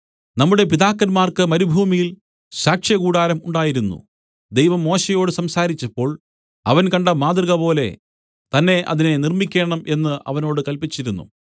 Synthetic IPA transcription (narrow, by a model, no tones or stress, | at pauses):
nɐmːuɽe̞piðaːkːɐnmaːrkɨmɐɾubʱuːmijil | ɕaːkʂjɐɡuːɽaːɾɐmuɳɖaːjiɾunːṵ | d̪e̞jʋɐmːo̞ːɕɐjo̞ːɽɨsɐmsaːɾit͡ɕːɐpːo̞ːɭ | ɐʋɐnkɐɳɖɐmaːðrɣɐpo̞ːle̞̰ | t̪ɐnːe̞ʔɐ̰ðine̞nirmikʲːe̞ːɳɐmʔe̞nːɨʔɐ̰ʋɐno̞ːɽɨkɐlpit͡ɕːiɾunːṵ